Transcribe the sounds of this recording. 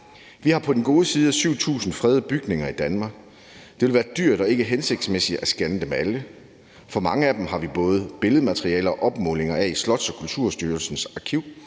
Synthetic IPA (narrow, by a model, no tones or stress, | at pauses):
ʋihɑ̈pʰɒ̽d̥enɡ̥o̝ːðˠsiːð̞ˠəsyʊ̰t͡sʰṵːsn̩fʁɛð̞ˠb̥yɡ̥ne̝ŋɐid̥ænmɑ̈ːɡ̥ | d̥e̝ʋe̝lʋæːɐd̥yɐ̰d̥ɒ̽e̝ɡ̥əɦense̝ɡ̥̚d̥smesid̥æsɡ̥ænəd̥emælə | fɒ̽mɑ̈ŋəæd̥em̩ɦɑ̈ʋib̥ɔ̽ːð̞̩ˠb̥e̝ləð̞̩ˠmæt͡sʰʁiɛ̰ːlɐɒ̽ʔɒ̽b̥mɔ̽ːle̝ŋɐɛislɒ̽d̥sɒ̽kʰult͡sʰuɐ̰sd̥yːɐlsn̩sɑ̈kʰiʊ̰